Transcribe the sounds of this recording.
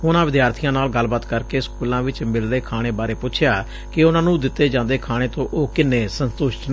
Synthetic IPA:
ʊnãːʋɪd̪jaːɾt̪ʰijãːnaːlɡəlbət̪kəɾkeːskuːlãːʋɪt͡ʃmɪlɾeːkʰaːɽ̃eːbaːɾeːpʊt͡ʃʰjaː | kɪʊnãːnũːd̪ɪt̪ːeːd͡ʒãːnd̪eːkʰaːɽ̃eːt̪õːʔoːkɪnːeːsənt̪ʊʃʈnː

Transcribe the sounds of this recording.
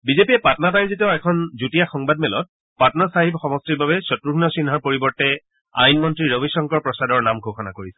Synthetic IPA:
bizepiɛpatɔnatajzitioɛkʰɔnzutijaxɔŋbad̚mɛlɔ̰t̚ | patɔnasaɦibxɔmɔstiɹbabɛsɔtɹuɡʰnɔsinɦaɹpoɹibɔɹtɛ | a̰jnmɔntɹiɹobisɔŋkɔɹpɹɔsadɔɹnamɡʱoxɔna̰koɹisɛ̥

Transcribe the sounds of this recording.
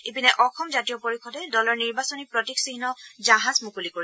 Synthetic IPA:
ipinɛʔɔxɔmzatijɔpoɹixʰɔdɛdɔlɔɹniɹbasɔnipɹɔtiksiɦnɔzaɦazmukulikoɹi

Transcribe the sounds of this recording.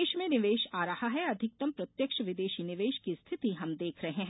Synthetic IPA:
ʃmẽnɪʋeːʃaːɾɐhaɦɛɐd̪ʱɪk̚t̪ɐmpɾɐt̪jəkʃəʋɪd̪eːʃinɪʋeːʃkist̪ʰɪt̪iɦɐmd̪eːkʰɾɐɦẽɦ

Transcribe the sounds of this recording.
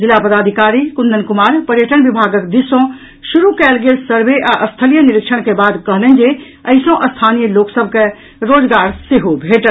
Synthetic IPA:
d͡ʒɪlaːpəd̪aːd̪ʱɪkaːɾikʊnd̪ənkʊmaːɾpɐɾjəʈəɽʋɪbʱaːɡəkd̪ɪsõ | ʃʊɾukɛːlɡesəɾʋeʔaʔəst̪ʰəlijənɪɾɪkʃəɽ̃kebaːd̪kɐɦlẽnd͡ʒe | ɐɪsõʔəst̪ʰaːnijəloːksəb̚ʱke | ɾoːd͡ʒɡaːɾseɦobʱeːʈə

